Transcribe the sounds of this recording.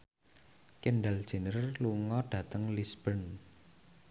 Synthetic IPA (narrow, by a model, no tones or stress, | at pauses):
kenɖal̥ʒ̥ə̤nərluŋɔɖ̥ä̤t̪əŋlisb̥ən